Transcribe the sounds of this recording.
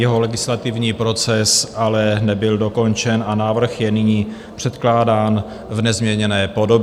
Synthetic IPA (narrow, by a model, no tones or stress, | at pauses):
jɛɦo̞lɛɡɪslat̪ɪvɲiːpɾo̞t͡sɛsʔalɛnɛbɪldo̞ko̞nt͡ʃɛnanaːvr̩xjɛnɪɲiː | pr̝̥ɛt̪klaːdaːn | vnɛzmɲɛɲɛnɛːpo̞do̞b